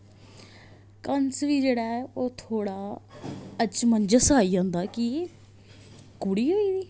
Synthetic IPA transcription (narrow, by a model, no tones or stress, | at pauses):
kənsʋiːd͡ʒeːɽaːɛːoːt̪ʰoːɽaː | ət͡ʃmənd͡ʒəsaːiːd͡ʒãːnd̪aːkɪ | kʊɽiːɦoːiːd̪iː